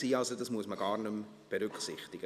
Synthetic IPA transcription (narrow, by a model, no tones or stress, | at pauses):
iːɑlsodɑsmuəsməɡɑːrnʉm | b̥eɾʉkχsɪχtɪɡ̥ə